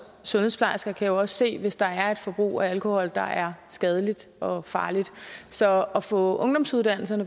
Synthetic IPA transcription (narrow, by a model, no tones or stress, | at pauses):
sɔ̽nheðˠpʰlɑ̈ɪsɡ̥ɐkʰæjo̝ɒ̽sse̝̰ːʋe̝sd̥ɑ̈æɐe̝d̥fɒ̽b̥ʁṵːæælkʰo̝hɒ̽l̰d̥ɑ̈ʔæɐsɡ̥ɛð̞ˠəlid̥ɒ̽fɑ̈ːlid̥sɒ̽ɒ̽fɔ̰̽ɔ̽ŋd̥ɒ̽msuð̞ˠd̥æn̰l̩sɐnə